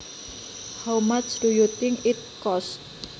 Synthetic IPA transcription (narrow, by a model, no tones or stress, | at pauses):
hawmat͡ʃd̥ujut̪ɪŋkɪt̪̚kɔst̪̚